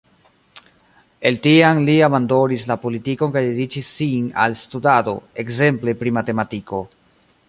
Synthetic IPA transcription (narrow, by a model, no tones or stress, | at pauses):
e̞ltianliabando̞nislapo̞litikonkajdedit͡ʃisːina̰lstudado̞̰e̞kze̞mple̞pɾimate̞matiko̞